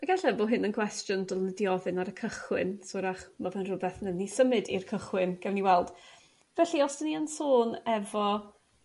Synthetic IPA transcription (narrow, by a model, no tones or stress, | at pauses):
əɡaɬɛboːɦɨnənkʰwɛstjʊndɔlˠnədiɔvɨnaɾəkʰəχwɪnsoɾaχmavɛnrʊbɛθnənisəmɨdirkʰəχwɪnɡ̥ɛwniwɛlˠd̥ | vɛɬiɔsdəniənsoːnɛvɔ